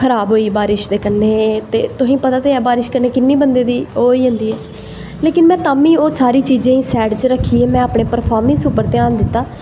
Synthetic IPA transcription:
kʰəɾaːbɦoːiːbaːɾɪʃd̪eːkənːeːt̪eːt̪ʊɦĩːpət̪aːt̪eːɛːbaːɾɪʃkənːeːkɪnːiːbənd̪eːd̪iːɦoːiːɦʊ̃nd̪iːɛː | leːkɪnmɛ̃ːt̪aːmĩːoːsaːɾiːt͡ʃiːd͡ʒẽːĩːsɛːʈt͡ʃɾəkʰːiːɛːmɛ̃ːaːpɳeːpəɾpʰaːɾmə̃nsʊpːəɾt̪eaːnd̪ɪt̪ːaː

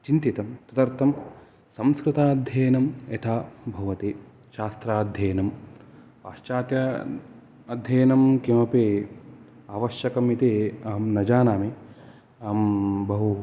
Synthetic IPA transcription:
t͡ʃint̪it̪ɐmt̪ɐt̪ɐɾt̪ʰɐm | sɐ̃mskɾɪt̪aːɐd̪ʱjɐjɐnɐmet̪ʰaːbʱɐʋɐt̪eː | ʃaːst̪ɾaːd̪ʱjɐːjnɐm | aːʃt͡ʃaːt̪jɐ | ɐd̪ʱjɐjɐnɐmkimɐpeː | aːʋɐʃjɐkɐmit̪eːaːmnɐd͡ʒaːnaːme | aːmbɐɦu

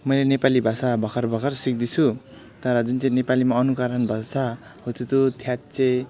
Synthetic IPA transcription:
mʌjlenepalibʱasabʱʌkʰʌrbʱʌkʰʌrsik̚d̪it͡sʰu | t̪ʌɾʌd͡zunt͡sʌj̃nepalimaʌnukaɾʌnbʱʌsʰa | hot͡sʰut̪ot̪ʰjat̪t͡se

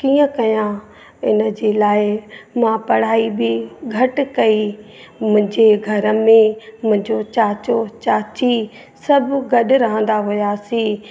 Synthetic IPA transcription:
kiːə̃kɐjã | ɪnə̆d͡ʑeːlaːɪmãpɐɽ̤aːibʱɪɡʱɐʈkɐi | mʊ̃ɦɪ̃d͡ʑeɡʱɐɾəmẽmʊ̃ɦɪ̃ɲd͡ʑot͡ɕaːt͡ɕot͡ɕaːt͡ɕi | sɐbɡɐɗʊɾɐɦə̃nd̪aɦʊjasĩː

